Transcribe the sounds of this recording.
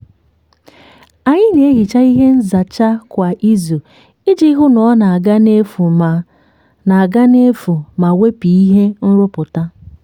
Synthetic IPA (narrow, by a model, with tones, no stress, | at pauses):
a˨ɲɪ˦ne˨e˦ɣi˨t͡ʃa˦i˦ɦe˦n̩˦za˨t͡ʃa˦kʷa˨ʔi˦zu˨ | ɪ˦d͡ʒi˦ɦʊ˦nɔ˨ɔ˦na˨ɡa˦ne˦fu˨ | na˨ɡa˦ne˦fu˨ma˨we˦pi˨i˦ɦe˦n̩˦ɾʊ˦pʊ˨ta˦